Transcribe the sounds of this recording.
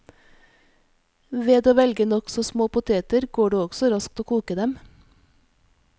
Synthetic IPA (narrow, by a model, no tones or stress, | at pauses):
ʋeːd̪oːʋɛlɡənɔksɔsmoːpʊt̪ʰeːt̪əɾɡoːɖeːɔɡsɔɾɑsk̚t̪oːkʰuːkəd̪ɛm